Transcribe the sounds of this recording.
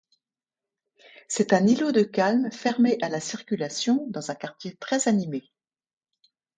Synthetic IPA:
sɛt̪ɛ̃nilod̪əkalmfɛʁmeʔalasiʁkʲylasjɔ̃d̪ɑ̃zɛ̃kaʁt̪ʲjet̪χɛzanime

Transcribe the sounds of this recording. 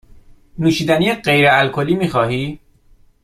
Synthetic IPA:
nuːʃiːd̪æniːjeɢejɾeælkʰo̞liːmiːxɒːɦiː

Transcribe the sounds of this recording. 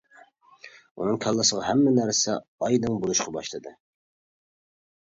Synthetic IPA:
ṵnɨŋkʲʰɑlˠːɨsəʁɑɦɛmːɛnæɾsɛ̰ɑjd̪ɨŋbolˠuʃqʰɑbɑ̰ʃlˠɨd̪ɨ

